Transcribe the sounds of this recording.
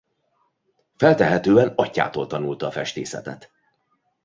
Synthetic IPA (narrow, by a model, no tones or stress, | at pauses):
fɛlt̪ɛɦɛt̪øːɛnɒcːa̰ːt̪oːlt̪ɒnult̪ɒːfɛʃt̪ḛːsɛ̰t̪ɛ̰t̪